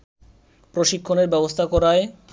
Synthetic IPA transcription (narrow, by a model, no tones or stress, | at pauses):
pɾoʃikʰːoneɾbɛbost̪ʰakɔɾae